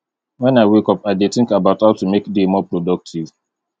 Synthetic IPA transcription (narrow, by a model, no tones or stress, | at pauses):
wɛ̃naɪwekɔpaɪdetɪ̃ŋkabaʊthaʊtumekdemɔpɹodɔk̚tʰiv